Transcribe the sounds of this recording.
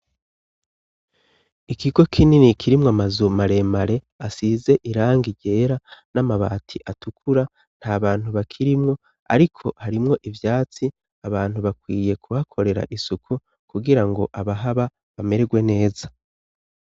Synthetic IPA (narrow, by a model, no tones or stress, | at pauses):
ikiɡo̞kʰininikʰiɾimŋamazumaɾe̞maɾe̞ | asize̞ʔiɾaːŋɡiɟe̞ːɾanamaβa̰ːtʰiʔatukʰuɾa | n̥haβaːn̥huβakʰiɾimŋo̞ | a̰ɾikʰo̞haɾimŋo̞ʔivjaːt͡si | aβaːn̥huβakwiːje̞kʰuhakʰo̞ɾe̞ɾa̰ʔisukʰu | kuɡiɾaŋɡo̞ʔaβaɦaβa | βame̞ɾeɡwe̞ne̞ːza